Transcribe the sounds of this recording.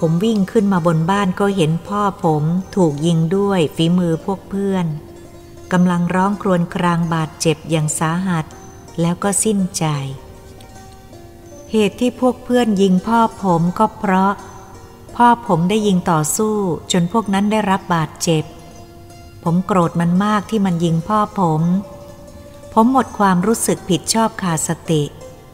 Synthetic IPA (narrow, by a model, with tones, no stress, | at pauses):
pʰo˩˦mwi˥˩ŋkʰɯ˥˩nmaː˧bo˧nbaː˥˩nkɔː˥˩ɦe˩˦npʰɔː˥˩pʰo˩˦mt̪ʰuː˨˩k̚ji˧ŋdu˥˩əjfiː˩˦mɯː˧pʰu˥˩ək̚pʰɯ˥˩ən | ka˧mla˧ŋɾɔː˦˥ŋkʰɾu˧ənkʰɾaː˧ŋbaː˨˩t̪̚t͡ɕe˨˩p̚jaː˨˩ŋsaː˩˦ɦa˨˩t̪̚ | lɛː˦˥wkɔː˥˩si˥˩nt͡ɕa˧j | heː˨˩t̪ʰːiː˥˩pʰu˥˩ək̚pʰɯ˥˩ənji˧˥ŋpʰɔː˥˩pʰːo˩˦mkɔː˥˩pʰɾɔ˦˥ | pʰɔː˥˩pʰːo˩˦mdaː˥˩jːi˧ŋt̪ɔː˨˩suː˥˩t͡ɕo˧npʰu˥˩ək̚na˦˥nda˥˩jɾa˦˥p̚baː˨˩t̪̚t͡ɕe˨˩p̚ʰː | o˩˦mkɾoː˨˩t̪̚ma˧nmaː˥˩k̚t̪ʰiː˥˩ma˧nji˧ŋpʰɔː˥˩pʰo˩˦m | pʰo˨˩˦mːo˨˩t̪̚kʰwaː˧mɾuː˦˥sɯ˨˩k̚pʰi˨˩t̪̚t͡ɕʰɔː˥˩p̚kʰaː˨˩sa˧t̪i˨˩ʔ